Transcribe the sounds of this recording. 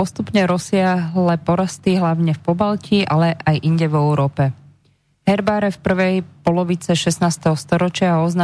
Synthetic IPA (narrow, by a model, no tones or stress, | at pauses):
ɔst̪upɲɛɾɔsɪaɦlɛpɔɾast̪iɦlaʊɲɛfpɔbalciʔalɛʔajʔiɲɟɛvɛuɾɔːpɛ | ɦɛɾbaːɾɛfpr̩ʋɛjpɔlɔʋit͡sɛʃɛsnaːst̪ɛɦɔst̪ɔɾɔt͡ʃɪaɔzna